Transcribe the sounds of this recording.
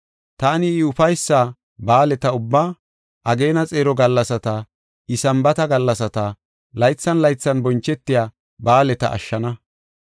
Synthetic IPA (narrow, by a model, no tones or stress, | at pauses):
t̪aːnɪːʊfɐjsːaː | baːlɛt̪ɐʊbːaː | ʔɐɡe̞ːnɐt͡sʼeːɾɔɡɐlːɐsɐt̪ɐ | ʔɪsɐmbɐt̪ɐɡɐlːɐsɐt̪ɐ | lɐjt͡sːɐnlɐjt͡sːɐnbɔnt͡ʃːɛt̪ːɪjaː | baːlɛt̪ɐ̰ʔɐ̰ʃːɐnɐ